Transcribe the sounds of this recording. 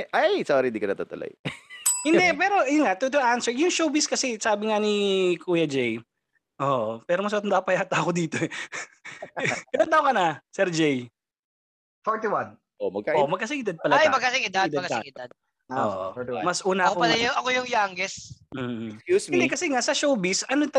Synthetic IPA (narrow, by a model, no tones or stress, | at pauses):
ʔajsaːɾind̪ikɐnɐt̪at̪ʊ̰lɐ̰jhɪnd̪ɛpɛːɾo̞ʔjʊnŋat̪ʊt̪ʊʔansɛɹjʊŋʃoːbiskɐsɛsaːbɪŋɐanikʰuːjɐd͡ʒɛj | ʔoʔpɛːɾomɐs̬mɐt̪ʊnd̪apɐjaːt̪ɐɐkod̪iːt̪o̞ɛ | kɐlɐŋt̪aʊkɐnɐsɛɾd͡ʒɛj | fɔɹt̪iwɐn | ʔomɐɡ̚kaomɐɡ̚kɐsɪŋɪd̪ad̪̚pɐlɐajmɐɡ̚kːɐsɪŋɪd̪adɪɐkɐɪŋɪd̪ad̪̚ | o̰ʔo̰mɐsʔuːnɐʔɐkokopɐlajʊɐkojʊŋjaŋɡɛsm̩ːkjuːsɪnd̪ɛkɐsɛŋasɐʃowbisɐnot̪ɐ